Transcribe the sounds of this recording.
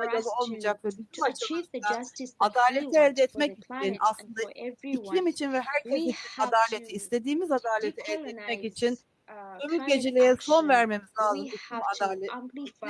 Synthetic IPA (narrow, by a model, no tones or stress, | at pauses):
alʲalˠɯo̞lˠmid͡ʒak̚vɛbiimaʃaaad̪aːlʲet̪ʰɛɛlʲd̪ɛɛt̪mɛciinaslˠɯnd̪aicʰlʲimit͡ʃʰinvɛɦæɾcʰesisiad̪aːlʲet̪ʰiːst̪ʰe̞d̪iːmizad̪aːlʲet̪ʰɛɛld̪ɛɛt̪mɛcit͡ʃʰin | t̪ʰømyc̚ɟe̞d͡ʒelʲejɛso̞nvæɾme̞mizaːlˠɯd̪ukumad̪aːlʲɛt̪